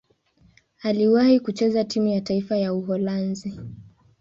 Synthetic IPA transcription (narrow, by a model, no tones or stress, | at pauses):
aliwahikut͡ʃɛzatimujataifajauɦɔlanzi